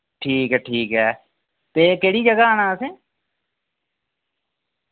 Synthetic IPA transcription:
ʈʰiːkɦɛːʈʰiːkɦɛː | t̪eːkeːɽiːd͡ʒəɡaaːnaːsẽː

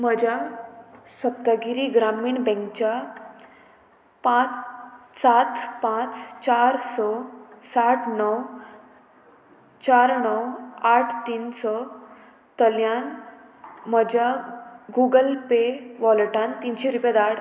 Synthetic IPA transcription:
m̤əd͡ʑʱja | səpt̪aɡiɾiɡɾamiːɳbɛ̃ŋkt͡ɕa | pãt͡ssat̪pãt͡st͡ɕaɾsɔsaʈʰnɔw | t͡ɕaɾnɔwaʈʰt̪iːnsɔ | t̪əljan | m̤əd͡ʑʱjaɡuɡəlpeʋɔlʈant̪inɕeɾuped̪aɽ

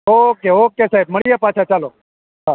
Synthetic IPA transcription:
ɦokeɦokesaːib̚məɭijepaːt͡ʃʰat͡ʃaːlo | ɦa

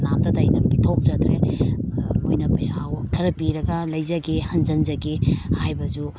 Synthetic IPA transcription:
namdɐtɐjnɐpitʰowk̚zɐdɾe | mojnɐpɐjsawkʰɐɾɐpiɾɐɡɐlɐjzɐɡehɐnzɐnzɐɡehajbɐzu

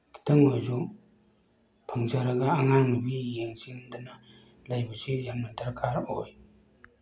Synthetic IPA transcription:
kʰi̥t̪ʰɐŋojzu | pʰɐŋzaɾɐɡɐːŋaŋmubijeŋsind̪ɐnɐ | lajbɐsijamnɐdɐɾkʰaɾoj

